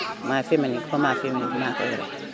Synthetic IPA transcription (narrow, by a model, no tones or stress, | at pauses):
mafemanĩkɔmafemimaka̰jɛɾɛ̰